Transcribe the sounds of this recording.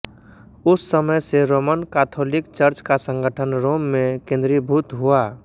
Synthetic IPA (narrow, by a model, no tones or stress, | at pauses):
ʊsːəməjseɾoːmənkaːt̪ʰoːlɪkt͡ʃəɾt͡ʃkasə̃ŋɡəʈʰənɾoːmːẽkẽːnd̪ɾibʱuːt̪ɦuaː